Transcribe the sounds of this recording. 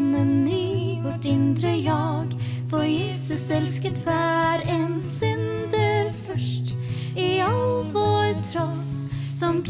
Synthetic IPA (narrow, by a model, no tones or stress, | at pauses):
nɛnːyːɔt̪ɪnd̪ɾəjɑːɡ | fɔɾjeːsɵsɛlskət̪væɾɛnsʏnd̪əɾfœʂʈ | ɪɑlvoːɾt̪ʰɾɔssɔmkʰ